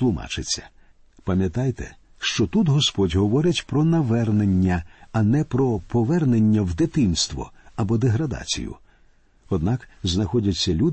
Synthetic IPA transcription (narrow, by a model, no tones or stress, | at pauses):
lˠʊma̰t͡ʃɪt͡sʲːɐ̥ | pɐmʲjɐt̪ajt̪ɛ | ʃt͡ʃɔt̪ut̪ɦɔspɔtʲɦɔʋɔɾɪtʲpɾɔnɐʋɛrne̞nʲːɐɐnɛpɾɔpɔʋɛrnenʲːɐwd̪ɪt̪ɪnst̪ʋɔ̰ɐbɔd̪eɦɾɐd̪a̰t͡sʲḭjʊ̰ | ɔd̪nɑkznɐxɔdʲɐt͡sʲːɐlʲud̪